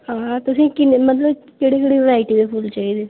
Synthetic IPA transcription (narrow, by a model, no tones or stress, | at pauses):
ɦãːt̪ʊsĩːkɪnemət̪ləbkeːɽeːkeɽiːʋɾaːɪʈiːd̪eːpʰʊlt͡ʃaːiːd̪eː